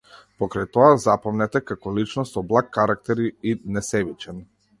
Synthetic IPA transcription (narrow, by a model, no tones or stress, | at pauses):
pɔkɾajt̪ɔazapɔmnɛt̪ɛkakɔlit͡ʃnɔsɔblˠakːaɾak̚t̪ɛɾiinɛsɛbit͡ʃɛn